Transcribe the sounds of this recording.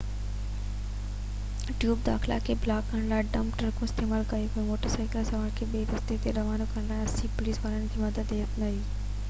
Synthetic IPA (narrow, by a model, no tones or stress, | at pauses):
ʈjuːb̚d̪aːxɪla̰kʰeːblaːkːɐ̃ɽ̃laːɪɖɐ̃ːmpʈəɾkʰõɪst̪eːmaːlkɐjokoẽmoːʈəɾsaːɪkɪlsɐʋãːkʰeːɓeːʋ̪ɐst̪et̪eɾɐʋaːnokɐɽ̃laːɦɪɐsipʊliːsʋaːɾənɪ̆kʰeːmɐd̪əd̪eːət̪nɐiː